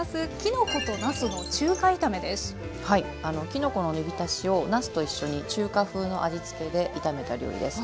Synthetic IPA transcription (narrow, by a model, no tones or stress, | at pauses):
sɨkʲino̞ko̞t̪o̞nasɨno̞t͡ɕɨːkait̪ame̞d̪e̞sɨ̥ | hai | ano̞kʲino̞ko̞no̞nɯbʲit̪aɕio̞nasɨ̥t̪o̞iɕːo̞ɲ̟it͡ɕɨːkaɸɯ̟ːno̞ʔad͡ʑit͡sɨ̥ke̞d̪e̞ʔit̪ame̞t̪aɾʲo̰ːɾʲḭd̪e̞sɨ̥